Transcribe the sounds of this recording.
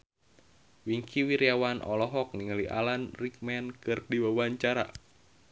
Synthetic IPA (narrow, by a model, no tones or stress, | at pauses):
wiŋkʰiwiɾiawanʔɔ̰lɔɦɔk̚niŋaliʔa̰lanrik̚mɛnkɨrdiwawaɲt͡ʃaɾa̰